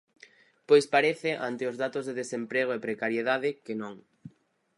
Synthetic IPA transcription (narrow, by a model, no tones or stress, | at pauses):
pojspaɾeθɪʔant̪ɪʊzðat̪ozðeðesempɾeɣ̞oepɾekaɾjeðaðɪkenõŋ